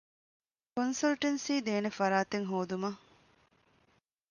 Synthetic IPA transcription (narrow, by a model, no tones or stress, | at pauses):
konsɐlʈensiːd̪eːnefɐɾaːt̪eŋɦoːd̪umɐ